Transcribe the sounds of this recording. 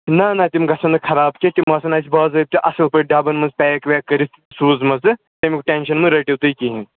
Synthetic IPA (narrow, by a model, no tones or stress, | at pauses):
nanɐt̪imɡɐsɐnɨkʰɐɾaːbt͡ʃet̪ʲimɐsɐnaːsʲbaːzɐp̚t̪iʔɐsɐlpɐɾɖaːbɐnmɐnzpʲɛːjkʋʲekɐɾis | suːzmɐzɨ | t̪ɐmʲikʈʲeːnʃɐnmɨɾɐʈiwt̪ɨikiɦĩ